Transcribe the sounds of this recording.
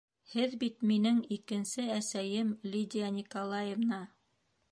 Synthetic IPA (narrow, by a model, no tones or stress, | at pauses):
hɘðbit̪minɘŋikɘ̆nsɘæsæjɘmlʲid̪ʲijanʲikolˠɑjevnɑ